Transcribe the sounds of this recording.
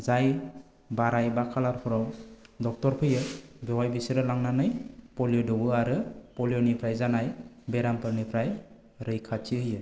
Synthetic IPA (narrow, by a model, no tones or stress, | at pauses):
zaj | baɾajbakʰalaɾpʰɔɾawdɔk̚tɔɾpʰɯjɯbewajbisiɾɯlaŋnanɯjpɔlijodɔwɯaɾɯpɔljonipʰɾajzanajbeɾampʰɯɾnipʰɾaj | ɾɯjkʰat͡ʃiɦɯjɯ